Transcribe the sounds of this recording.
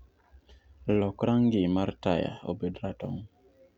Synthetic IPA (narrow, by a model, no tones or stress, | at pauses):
lɔkɾaŋɡɪmartaja̰o̰bedɾatɔ̰ŋ